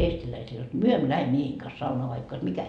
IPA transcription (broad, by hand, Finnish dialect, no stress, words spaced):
eːstilæisil jot myø emːø læhe miehiːŋ kɑs sɑunoɑ ʋɑikː ois mikæ